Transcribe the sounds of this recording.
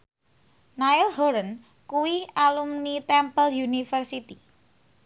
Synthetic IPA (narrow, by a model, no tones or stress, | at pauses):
nailɦoɾən | kuwialumnit̪ɛmpəljunifərsit̪i